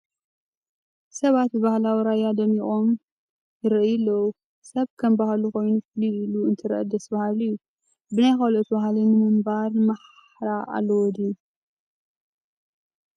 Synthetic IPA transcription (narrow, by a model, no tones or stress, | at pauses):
sɐβat̪bɨβahlawiɾajad̪ɐmiχʼo̞m | jɨɾʔɨjɨlːɐwu | sɐβkʰɐmbahaluxo̞jnufliiluɨnt̪ʰɨɾʔɐ̰d̪ɐsbahalɨjːu | bɨnajxalʔot̪bahlɨnɨmɨmbaɾmaħ | ɾaʔa̰lːɐwɔd̪ij